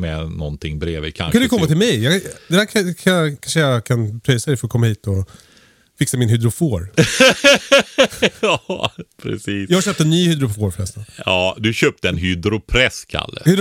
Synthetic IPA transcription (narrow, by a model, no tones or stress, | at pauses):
mɛnɔnt̪ʰɪŋːbɾeːvɪ̰kʰa̰kanəkʰɔmːat̪ʰɪlmɛjjɑd̪ɛd̪æːɾʰkʰanʂəjɑkʰanpʰɾœjsad̪ɛjfœəɾɔkʰɔmːahiːt̪ɔ | fɪksamɪnɦʏd̪ɾʊfoːɾ | ɑpʰɾɛ̰siːsjɑːhaɕøːp̚t̪ənːyːhʏd̪ɾʊfoːɾfœɾɛ̰st̪aɑːd̪ɵɕøːp̚t̪əɛnɦʏd̪ɾʊpʰɾɛskʰa̰lːə̰hʏd̪